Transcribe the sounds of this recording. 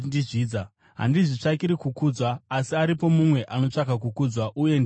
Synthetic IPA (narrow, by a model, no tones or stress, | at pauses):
iʐiːd͡za | ɦa̰ndiʐit͡ʂakiɾikukud͡zwaːsiaɾipo̞mumwe̞ʔano̞t͡ʂakakukud͡zwaʔuje̞nd